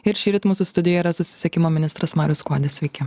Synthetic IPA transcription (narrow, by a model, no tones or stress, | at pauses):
ɪɾʃʲiːɾʲɪt̪muːsust̪ʊd̪ʲɪjɛiːɾɐsʊsʲɪ̥sʲɛkʲɪmoːmʲɪnʲɪst̪ɾɐsmɑːɾʲʊskuɔd̪ʲɛsʲʋʲɛɪkʲɪ